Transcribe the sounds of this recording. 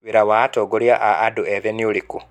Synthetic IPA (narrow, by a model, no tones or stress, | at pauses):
βiɾawatoɡoljaʔaːdueðeniuliku